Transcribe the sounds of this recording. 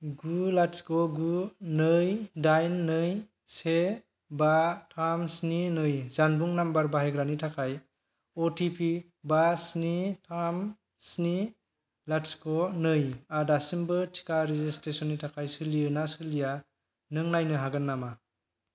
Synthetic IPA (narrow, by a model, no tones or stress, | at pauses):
ɡulatskɔɡunɯjdajnːɯj | se | batʰamsninɯjzanbuŋnambaɾbaɦejɡɾanitʰakʰaj | ɔtʰipʰi | basnitʰam | sni | latskɔnɯjadasimbɯtʰi̥kaɾizistɾesɔnːitʰakʰajsɯliɯnasɯlija | nɯŋnajnɯɦaɡɯnːama